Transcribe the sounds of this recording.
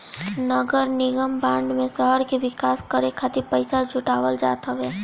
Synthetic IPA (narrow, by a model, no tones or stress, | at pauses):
nəɡəɾnɪɡəmbãːɳɖmẽsəɦəɾkeʋɪkaːskəɾekʰat̪ipəɪsad͡ʒʱʊʈaːʋəld͡ʒa̰ːt̪aʋɛː